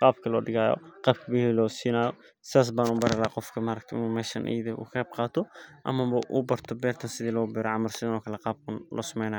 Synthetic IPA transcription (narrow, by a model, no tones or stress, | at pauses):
qɑːbkʰɐlɔːɖɪɣaːjɔ̰qɑːb̚kʰɐbɪhiːlɔːsiːnaːjɔ | sɪaːs̬baːnʊbɐɾɐlaːqɔfkʰɐmaɾɐk̚t̪ʰʔɪ̰nuːmɛːʃɐnʔɛ̰ːðɛṵːkːb̚qɑːt̪ʰɔʔɐ̰mɐbɐʔʊbɐrt̪ʰɔbɛːrt̪ʰɐnsɪðiːlɔbɛːɾɐʕɑmɐrsɪðɐnɔːkʰɐlɛqɑːb̚kʰʊnlʔɔ̰ːsɐmɛjnaːjɔ